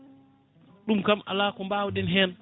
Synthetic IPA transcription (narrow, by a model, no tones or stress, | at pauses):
ɗumkamʔa̰laːkɔmbawɗɛnɦɛːn